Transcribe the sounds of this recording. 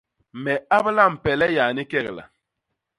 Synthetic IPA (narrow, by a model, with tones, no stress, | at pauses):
mɛ˨a˦bla˦˨m̩˨pɛ˨lɛ˦ja˨ni˦kɛ˦˨ɣla̰˨